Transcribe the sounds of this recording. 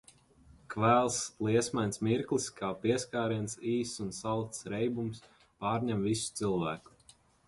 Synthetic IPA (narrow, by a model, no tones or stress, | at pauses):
kvæːlˠsliɛsmansmiɾklˠiskʰaːpiɛskaːɾiɛnsiːsunsalˠt̪sɾɛjbums | paːɾɲɛmvisu̥t̪silˠvæːku̥